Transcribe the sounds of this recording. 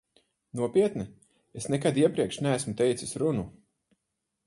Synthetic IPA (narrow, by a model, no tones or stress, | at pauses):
nuɔpiɛt̪ni | esnɛkad̪iɛpɾiɛkʃnæːsmut̪ɛjt̪sisɾunu